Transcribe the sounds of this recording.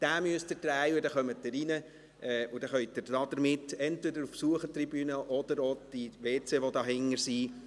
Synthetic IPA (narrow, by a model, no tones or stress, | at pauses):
d̥æːmyəst̪ətɾæjʊdɛχœmətdəɾinə | ɛːʊd̥ɛχœjd̪əɾdɑːd̥̪əɾmɪtːɛntʋɛdəɾufsuəχətribyːnəʔɔd̥̪əɾod̥iʋeːt͡seʋodɑːɦɪŋːəɾsiː